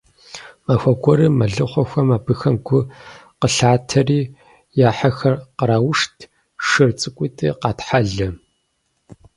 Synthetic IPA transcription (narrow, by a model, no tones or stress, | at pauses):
maxʷɐɡʷɔɾɨmɐɮɨχʷɔxʷɐmaːbɨxɐmɡʷʊqəɬaːtʰɐriː | jaːħaxɐrqəɾaːwʊʂtʰ | ʂɨrt͡sʼɨkʷʼiːtʰʼɨqɑːtħaɮɨ